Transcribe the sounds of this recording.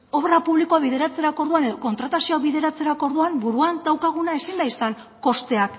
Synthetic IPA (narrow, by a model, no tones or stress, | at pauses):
o̞βɾapuβlikoaβiðe̞ɾat͡se̞ɾako̞ɾðuane̞ðo̞ko̞nt̪ɾat̪asioaβiðe̞ɾat͡se̞ɾako̞ɾðuambuɾuand̪awkaɣ̞unae̞sind̪aisaŋ | ko̞st̪e̞ak